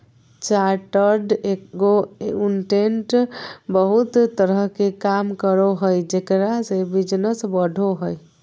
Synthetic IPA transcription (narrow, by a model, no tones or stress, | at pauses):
t͡ʃaɾʈəɾɖeɡounʈenʈbəɦut̪t̪ːəɾəɦkekamkəɾoɦəjd͡ʒekɾasebid͡ʒnəsbəɖʱoɦəj